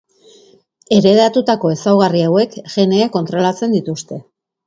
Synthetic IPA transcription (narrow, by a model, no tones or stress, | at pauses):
e̞ɾe̞ðat̪ut̪ako̞e̞sawɣariawe̞kʝe̞ne̞ako̞nt̪ɾo̞lat͡se̞nd̪it̪ust̪e̞